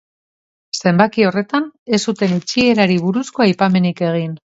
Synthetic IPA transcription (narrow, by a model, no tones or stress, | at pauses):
se̞mbakio̞re̞t̪ane̞sut̪e̞nit͡ʃie̞ɾaɾiβ̞uɾusko̞ajpame̞nike̞ɣ̞in